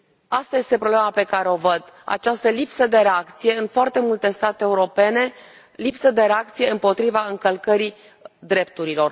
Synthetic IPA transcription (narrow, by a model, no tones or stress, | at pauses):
ast̪aje̞st̪e̞pɾoblemape̞kaɾeo̞vəd̪a̰t͡ʃast̪əlipsəd̪e̞ɾeakt̪sije̞ɨnfoart̪e̞mult̪e̞st̪at̪eeːuɾo̞pe̞ne̞ | lipsəd̪e̞ɾe̞ak̚t̪sije̞ɨmpo̞t̪ɾivaɨŋkəlkəɾi | d̪ɾe̞pt̪uɾilo̞r